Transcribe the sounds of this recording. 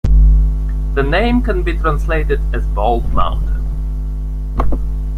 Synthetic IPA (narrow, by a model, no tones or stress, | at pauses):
ðɨnẽɪ̃mkə̃nbitʰɹ̥æ̃nsleɪɾɨdɨzbɔlˠdmã̰ʊ̃ntʰə̰̃n